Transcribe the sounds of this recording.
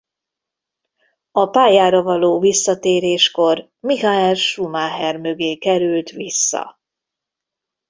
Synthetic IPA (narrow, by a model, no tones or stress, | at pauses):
ɒpaːjaːɾɒvɒloːvisːɒt̪eːɾeːʃko̞r | mihaɛlʃumaːɦɛrmøɡeːkɛɾylt̪ʋisːɒ̰